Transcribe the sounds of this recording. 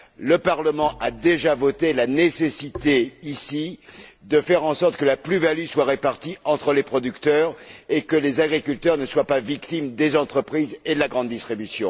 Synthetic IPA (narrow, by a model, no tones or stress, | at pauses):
ləpaʁləmɑ̃ʔad̪eʒavɔt̪elanesesit̪eisid̪əfɛʁɑ̃sɔʁt̪kəlaplyvalyswaʁepaʁt̪iɑ̃t̪χəlepχɔd̪ykt̪œːʁekəlezaɡʁikʲylt̪œʁnəswapavikt̪imd̪ezɑ̃t̪χəpχized̪əlaɡʁɑ̃d̪ːist̪χibysjɔ̰̃